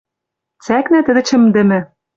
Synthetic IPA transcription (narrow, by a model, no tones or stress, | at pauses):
t͡sæknæt̪ɘ̆d̪ɘ̆t͡ɕɘ̆md̪ɘ̆mɘ̆